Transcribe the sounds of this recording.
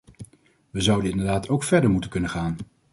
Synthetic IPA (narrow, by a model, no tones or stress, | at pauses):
ʋəzʌwdənɪndəɹdaːtʰowkfɛɹdəɹmutənkɵnənχaːn